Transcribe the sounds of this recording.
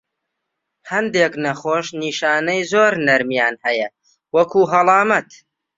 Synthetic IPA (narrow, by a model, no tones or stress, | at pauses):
hɐnd̪eːknɐχoːʃniːʃaːnɐjzoːɾnɐɾmjaːnhɐjɐ | wɐkʰuːɦɐlˠɑːmɐt̪